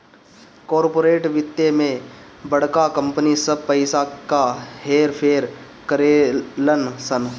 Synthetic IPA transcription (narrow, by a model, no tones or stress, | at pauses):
kɔːɾpoːɾeːʈʋɪt̪ːemẽ | bɐɽ̤kakə̃mpənisɐb̚pɐɪsakaheːɾpʰeːɾ | kəɾelənsən